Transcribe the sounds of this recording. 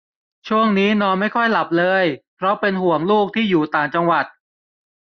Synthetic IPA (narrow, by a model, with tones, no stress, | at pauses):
t͡ɕʰu˥˩əŋniː˦˥nɔː˧nma˥˩jkʰɔ˥˩jla˨˩p̚lɤː˧jpʰɾɔ˦˥pe˧nhu˨˩˦əŋluː˥˩k̚t̪ʰiː˥˩juː˨˩t̪aː˨˩ŋt͡ɕa˧ŋwa˨˩t̪̚